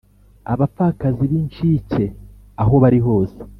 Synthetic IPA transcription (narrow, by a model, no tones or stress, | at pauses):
a̰βafakaziβint͡ʃice̞ | aɦo̞βaɾiɦo̞ːse̥